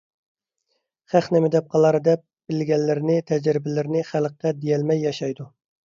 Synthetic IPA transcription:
χæχnɪmɪd̪ɛp̚qʰɑlˠɑɾɨd̪ɛp̚b̥ɪlɡʲɛlːɪɾɪnɪt̪ʰɛd͡ʒɾɪbɪlɪɾɪnɪχælqːɛd̪ejɛlmɛjːɑʃɑjd̪u

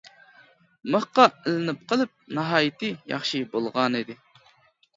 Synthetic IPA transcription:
məχqɑɪlɪnɪp̚qʰəlˠɨp̚nɨɦɑːjɪt̪ʰɨjɑ̰χʃibolˠʁɑnid̪ɪ

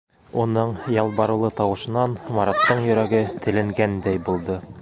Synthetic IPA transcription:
unɤɴjɑlˠbɑɾɤ̆wlˠɤt̪ɑwɤ̆ʃɤ̆nɑnmɑɾɑt̪ːɤɴjɵ̆ɾæɡɘt̪ʰɘ̆lɘ̆ŋɡænd̪æjbulˠd̪ɤ

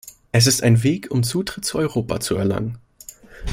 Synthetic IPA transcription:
ʔɛs̬ɪstaɪnveːkʰʊmt͡suːtʁ̥ɪt̚t͡suːʔɔʏʁoːpʰa̰t͡suɛɐla̰ŋən

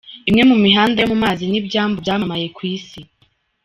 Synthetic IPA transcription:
imŋe̞mumiɦaːndamumaːzinibɟaːmbujaːmamaje̞kwiːsi

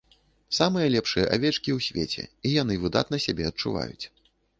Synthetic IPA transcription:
samɨjɐlʲɛpʂɨjɐʔavʲɛt͡ʂkʲiwsʲvʲet͡sʲɛ̰ijan̪ɨvɨd̪a̰t̪nɐsʲabʲɛɐt̚t͡ʂuva̰jṵt͡sʲ

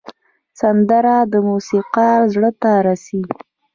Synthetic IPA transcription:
sand̪aɾad̪əmusiqaɾzɽət̪aɾasi

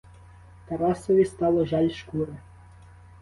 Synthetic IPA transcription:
t̪ɐɾɑsɔʋʲist̪ɑlˠɔʒɑlʲʃkuɾe

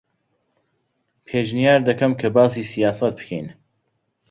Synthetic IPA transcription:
pʰeːʒnijaːɾd̪ɐkɐmkʰɐbaːsiːsijaːsɐt̪̚bɨ̥kʰḛjn

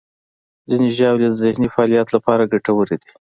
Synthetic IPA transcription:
zineʒɑwlad̪əzehnifaɑlijat̪lapɑɾaɡaʈawəɾed̪i

